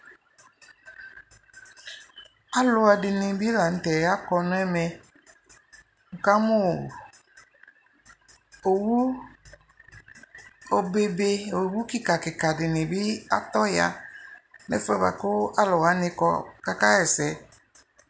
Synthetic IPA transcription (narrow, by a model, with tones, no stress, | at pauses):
a˦lʊ˨a˨dɪ˨nɪ˨bi˦la˨n̩˨˦tɛ˨ja˦kɔ˧nʊ˦ɛ˦mɛ˦ | ŋ̩˨ka˦mʊ˦˨ | o˨wu˦ | o˨be˦be˦o˨wu˦kɪ˦ka˨kɪ˨ka˨dɪ˨nɪ˨bɪ˦a˦tɔ˦ja̰˦ | nɛ̰˦fɛ˦ba̰˨kʊ˦a˦lʊ˨wa˨˦nɪ˦kɔ˦ka˦ka˦ɛ˨sɛ˨˦